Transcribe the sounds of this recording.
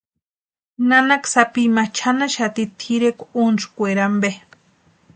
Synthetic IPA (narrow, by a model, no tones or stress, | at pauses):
nanaksapimat͡ʃʰanaʃat̪it̪ʰiɾekʷunskʷeɾambe